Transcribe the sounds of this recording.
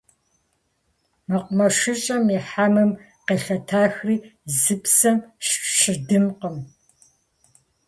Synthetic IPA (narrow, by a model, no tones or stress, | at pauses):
mɐqʷʊmɐʂɨt͡ʃʼɐmiħamɨm | qeːɬɐtʰaːxriːzɨpsɐmɕʃɪdɨmqəm